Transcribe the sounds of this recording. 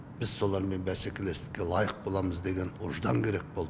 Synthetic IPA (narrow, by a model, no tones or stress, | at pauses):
b̥ɪz̥so̞lˠɑɾme̞nbæse̞kʲe̞le̞st̪ɪ̥k̚ʲe̞lˠɑjəq̚bo̞lˠɑməzd̪e̞ɡʲenʊʒd̪ɑŋkʲʰe̞ɾe̞k̚bo̞lˠd̪